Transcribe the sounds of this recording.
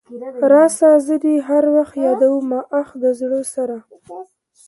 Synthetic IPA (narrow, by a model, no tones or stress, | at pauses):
ɾɑsɑzəd̪iɦaɾwaxt̪jɑd̪awumɑʔaxd̪əzɽəsaɾa